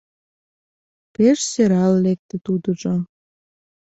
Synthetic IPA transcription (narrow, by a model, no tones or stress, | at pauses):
peʃseɾɑlːek̚t̪ĕt̪ud̪əʒo